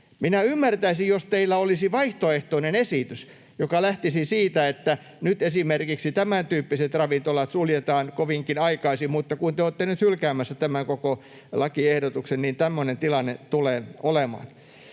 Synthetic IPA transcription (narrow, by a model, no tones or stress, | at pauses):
minæymːært̪æisijjost̪eilːæolisiʋɑiht̪oeht̪oinenesit̪ys | jokɑlæht̪isisiːt̪æet̪ːæ | nyt̪esimerkiksit̪æmænt̪yːpːiset̪rɑʋint̪olɑt̪suljet̪ɑːnkoʋiŋkinɑikɑisimut̪ːɑkunt̪eoːt̪ːenyt̪hylkæːmæsːæt̪æmæŋkoko | lɑkiehdot̪uksennint̪æmːønent̪ilɑnːet̪uleːnolemɑ̰ːn